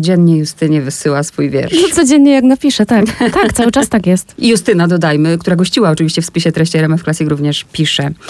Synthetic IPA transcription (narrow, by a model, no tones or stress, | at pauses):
d͡ʑɛnːɲɛjust̪ɘɲɛvɘsɘwasfujvʲjɛ̰ɾnɔt̪sɔd͡ʑɛnɲɛjaɡnapʲiʂɛt̪akt̪akt̪awɘt͡ʂast̪akjɛst̪just̪ɘnad̪ɔd̪ajmɘkt̪uɾaɡɔɕt͡ɕiwaɔt͡ʂɨvʲiɕt͡ɕɛfspʲiɕɛt̪ɾɛɕt͡ɕɛɾɛmɛfklasʲjikɾuvɲɛʂpʲiʂɛ